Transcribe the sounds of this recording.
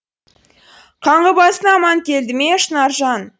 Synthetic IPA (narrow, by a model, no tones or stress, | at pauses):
qʰɑɴʁəbɑsənɑmɑnt̪ʲʰeld̪ɪmeʃənɑɾʒɑn